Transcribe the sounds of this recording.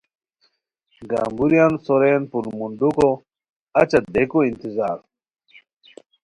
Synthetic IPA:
ɡa̰ːmbuɾjansoɾeːnpunmund̪uko | ɐt͡ɕɐd̪ekoint̪izaːɾ

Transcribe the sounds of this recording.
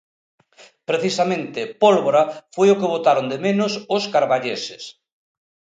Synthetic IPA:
pɾeθisamẽnt̪ɪpolβoɾafojʊkeβ̞ot̪aɾond̪emenʊsʊskaɾβaʎesɪs

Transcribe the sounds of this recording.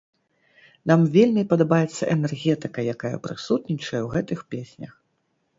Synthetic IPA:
namvʲelʲmʲipɐd̪abajɛt̪sːɐʔɛnɛrɣʲɛt̪ɨkɐjakajɐ̰pɾɨsut̪nʲit͡ʂɐjɛwɣɛt̪ɨxpʲesʲnʲɐ̰x

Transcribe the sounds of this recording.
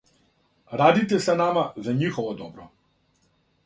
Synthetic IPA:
ɾad̪it̪ɛsanamazaɲixɔvɔd̪ɔbɾɔ

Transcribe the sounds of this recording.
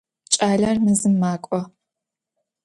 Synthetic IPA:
t͡ʃʼaːɮɐrnɨzɨmːaːkʷʼɔ

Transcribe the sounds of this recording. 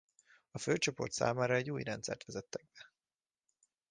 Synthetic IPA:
ɒføːt͡ʃo̞po̞̰rt̪sa̰ːmaːɾɒɛɟːuːjɾɛnt̪sɛ̰rt̪ʋɛzɛt̪ːɛɡ̚bɛ

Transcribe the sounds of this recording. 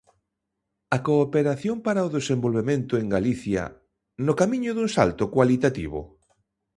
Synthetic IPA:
ɐkoːpeɾaθjompaɾaoðesẽmbolβemẽnt̪ʊeŋɡaliθjɐ̰ | nʊkamĩɲʊðuŋsa̰lt̪ʊkwalit̪at̪ḭβ̞ʊ̰

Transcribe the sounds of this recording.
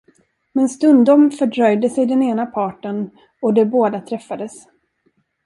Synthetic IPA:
mɛnst̪ɵnd̪ɔmfœɖɾœjd̪əsɛjd̪ɛneːnapʰɑːʈən | ɔd̪ɛboːd̪at̪ʰɾɛfːad̪əs

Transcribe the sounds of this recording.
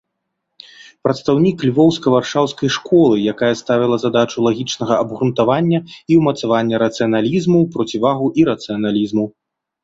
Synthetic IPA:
pɾɐt̪st̪awnʲiklʲvɔwskɐvarʂawskɐjʂkɔlˠɨjakajɛst̪avʲilˠɐzad̪at͡ʂulˠaɣʲit͡ʂnɐɣɐɐbɣɾunt̪avanʲːɐiwmɐt̪savanʲːɐɾɐt̪sɨjɐnalʲizmupɾɔt͡sʲivaɣuʔiɾɐt̪sɨjɐnalʲizmu

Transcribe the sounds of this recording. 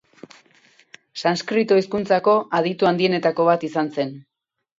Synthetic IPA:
sanskɾit̪oiskunt͡sako̞ʔað̞it̪uand̪ie̞ne̞t̪ako̞β̞at̪isanse̞n

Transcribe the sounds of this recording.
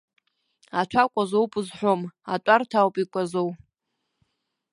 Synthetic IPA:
at͡ʃʷʰakʷʼazowpʼɨzħʷᶣomatʼartʰawpʼikʷʼazow

